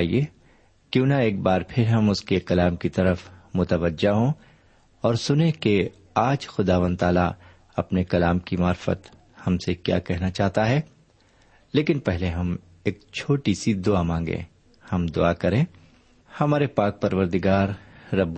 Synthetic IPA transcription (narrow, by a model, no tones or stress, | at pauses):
ḭeː | kjũːnaeːk̚baːɾpʰɪɾɦɐmʊskekɐlaːmkit̪ɐɾəfmʊt̪əʋəd͡ʒaɦõ | ɔːɾsʊnẽke | aːd͡ʒxʊd̪aːʋə̃nd̪̚t̪aːla̰ | ɐpnekɐlaːmkimaːɾfə̰t̪ | hɐmsekja̰ːkɛɦnat͡ʃaːɦt̪aɦɛː | leːkɪnpɛɦleɦɐm | eːk̚t͡ʃʰoːʈisid̪ʊamãːŋɡḛ̃ː | hɐmd̪ʊakɐɾẽː | hɐmaːɾepaːk̚pɐɾʋəɾd̪ɪɡaːɾːɐb